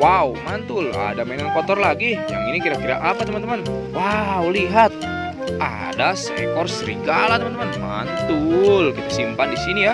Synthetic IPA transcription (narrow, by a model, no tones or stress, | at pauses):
waumant̪ʊla̰damenaŋkɔt̪ɔrlaɡija̰ŋinikiɾakiɾa̰ʔapat̪əmant̪əmanwauliɦat̪̚ | a̰ | dasḛkɔrsəɾḭɡalat̪əmant̪əmanma̰nt̪ʊlkit̪ḁsimpandisinija